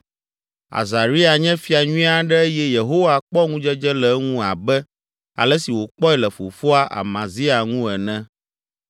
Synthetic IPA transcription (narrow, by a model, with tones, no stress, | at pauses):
a̰˨za˨ɾi˦a˨ɲɛ̃˦fi˨a˨ɲũ˦ĩ˦a˦ɖɛ˦jɛ˦je˨ɦo˦wa˦k͡pɔ˦ŋũ˦d͡ʒɛ˦d͡ʒɛ˦lɛ˨˦ŋũ˦a˨bɛ˦ | a̰˨lɛ˦si˨wo˨k͡pɔ˦ɛ˦lɛ˨fo˨fo˦a˦ʔa̰˨mã˨zi˦a˨ŋũ˦ɛ˨nɛ̃˦